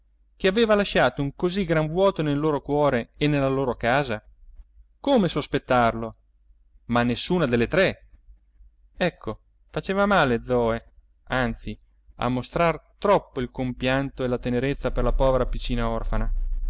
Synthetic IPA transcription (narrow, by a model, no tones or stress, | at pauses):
keaveːvalaʃːaːt̪ouŋkoziɡɾaɱvwɔːt̪onelːoːɾokwɔːɾeenelːaloːɾokaːza | komesospet̪ːarlo | manːesːuːnad̪elːet̪ɾɛ | ɛkʰːo | fat͡ʃeːvamaːled̪zɔːe | ant̪si | a̰mːost̪ɾart̪ɾɔpːoilkompjant̪oelat̪eneɾet̪sːaperlapɔːveɾapit͡ʃːiːnaɔrfana